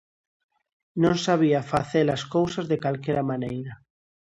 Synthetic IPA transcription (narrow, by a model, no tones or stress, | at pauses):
nõnsaβ̞iafaθelaskowsazðekalkeɾamanejɾa